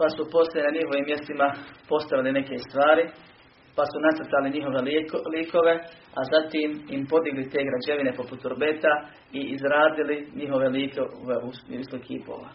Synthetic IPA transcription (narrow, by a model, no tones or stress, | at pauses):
pasupo̞sojenaɲiɦoʋiːmːje̞st̪imapo̞st̪aʋiline̞ke̞st̪ʋaːɾi | pasunat̪əɾt̪aliɲiɦo̞ʋeliːkʰo̞ʋe̞azat̪iːmimpo̞d̪iɡlit̪e̞ːɡɾad͡ʑe̞ʋine̞po̞put̪uɾbe̞t̪a | iʔizɾaːd̪iliɲiɦo̞ʋe̞liːkoʋeuisokʰḭːpo̰ːʋa̰